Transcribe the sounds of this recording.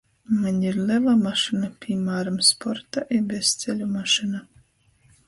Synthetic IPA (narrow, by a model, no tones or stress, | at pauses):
manʲiɾlʲˠɛvamaʃɨnapʲimaːɾamspɔɾt̪aʔibʲɛst̪sʲelʲumaʃɨna